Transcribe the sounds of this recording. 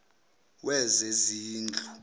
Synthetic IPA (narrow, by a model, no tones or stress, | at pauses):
wʔɛzeziːnd͡ɮʱu